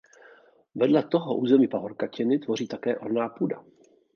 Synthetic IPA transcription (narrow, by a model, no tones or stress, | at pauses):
vɛdlɛt̪oɦɔʔuːzɛmiːpaɦoɾkacɪnɪt̪vo̞riːt̪akɛːʔoɾnaːpuːda̰